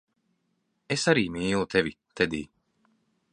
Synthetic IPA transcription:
esaɾiːmiːlˠut̪evi | t̪ɛd̪iː

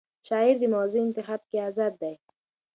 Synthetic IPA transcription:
ʃaiɾd̪imɔzint̪ɪɦat̪̚kiazat̪̚d̪aj

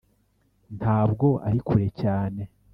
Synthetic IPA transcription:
nhʰaːb̚ɡo̞a̰ɾikʰuɾe̞caːne̞

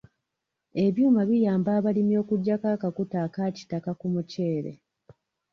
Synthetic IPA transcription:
e̞βjuːmaβijaːmbaːβalimjo̞ːkuɟːakakakutaːkaci̥takakumuce̞ːɾḛ

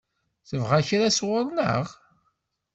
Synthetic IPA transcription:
θəvʁaçɾaswəɾˤnə̰ʁ

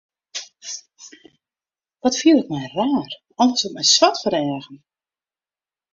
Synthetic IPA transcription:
ʋɔtfiəlˠɪkmɛjraːr | ɔnəsɔmɛjswatfəɾɛːəɣən̩

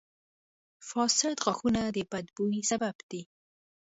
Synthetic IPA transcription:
fɑsɪt̪ɣaxunad̪əbad̪buisababd̪̥i

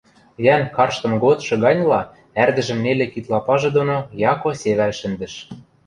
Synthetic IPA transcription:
jænkɑrʃt̪ɤ̆mɡot̪ʃɤ̆ɡɑnʲlɑ | ærd̪ɘ̆ʒɘ̆mnelĕkit̪lɑpɑʒĕd̪onojɑkoseβælʃɘ̆nd̪ɘ̆ʃ

